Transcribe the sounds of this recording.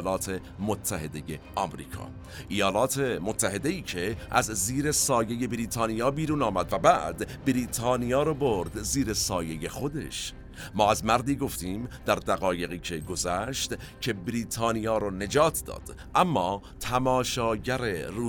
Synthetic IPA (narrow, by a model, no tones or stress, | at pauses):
lɒːt̪ʰe̞ | mot̪ʰːæhe̞d̪e̞jeʔɒːmɾḭːkʰɒ̰ː | ʔijɒːlɒːt̪ʰe̞mot̪ʰːæɦe̞d̪e̞iːcʰe̞ʔæzziːɾe̞sɒːje̞je̞bɾiːt̪ʰɑːnijɒːbiːɾuːnɒːmæd̪væbæd̪bɾiːt̪ʰɑːnijɒːɾɔboɾd̪ziːɾe̞sɒːje̞je̞xo̞d̪e̞̰ʃ | mɒːæzmæɾd̪iːɡo̞ft̪iːmd̪æɾd̪æɣɒːje̞ɣiːcʰe̞ɡo̞zæʃt̪ | cʰe̞bɾiːt̪ʰɑːnijɒːɾɔːne̞d͡ʒɒːt̪ʰd̪ɒ̰ːd̪̥ | ʔæmːɒː | t̪ʰæmɒːʃɒːɟæɾe̞ruː